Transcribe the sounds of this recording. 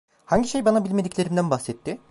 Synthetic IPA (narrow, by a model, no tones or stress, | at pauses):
haɲɟiʃe̞jbanabilʲme̞d̪iclʲe̞ɾimd̪ænbaxsɛt̪ʰːɪ